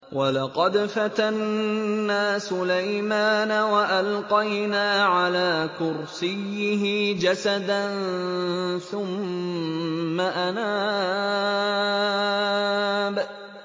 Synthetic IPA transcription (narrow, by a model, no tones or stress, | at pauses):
wʔɑlɑqɑd̪fat̪anː | aːsʊlajmaːnawaʔalqɑjnaːʕalaːkʊɾsɪjːɪɦɪd͡ʒasad̪an | θʊm | aʔanaː | b